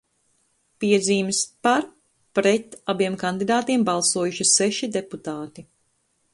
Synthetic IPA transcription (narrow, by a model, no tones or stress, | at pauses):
piɛd̪ziːmspaɾ | pɾɛt̪abiɛmkand̪id̪aːt̪iɛmbɑlˠsuɔjuʃiseʃid̪eput̪aːt̪i